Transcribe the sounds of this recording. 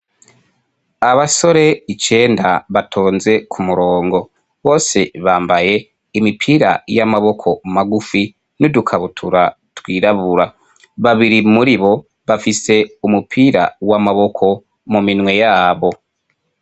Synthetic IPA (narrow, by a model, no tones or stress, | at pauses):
aβaso̞ɾe̞it͡ʃe̞ːndaβatʰoːnze̞kʰumuɾo̞ːŋɡo̞ | βo̞ːse̞βaːmbaje̞ | imipʰiːɾa̰jamaβo̞kʰo̞maɡufi | nudukʰaβutʰuɾa | twiːɾaβuɾa | βaβiɾimuɾiβo̞ | βafise̞umupʰiːɾa̰wamaβo̞kʰo̞ | muminwe̞jaːβo̞